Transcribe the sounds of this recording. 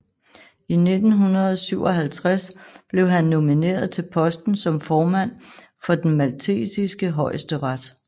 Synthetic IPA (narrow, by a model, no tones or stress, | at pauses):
ine̝d̥n̩ɦunɐð̩ˠsyʊ̰ɒ̽ɦælt͡sʰʁasb̥le̝ʊɦænːo̝mine̝̰ːɐð̞ˠt͡sʰe̝lpʰɒ̽sd̥n̩sɒ̽mfɒːmæn̰ | fɒ̽d̥enmælt͡sʰe̝̰ːsisɡ̥əɦɒ̽ɪəsd̥əʁad̥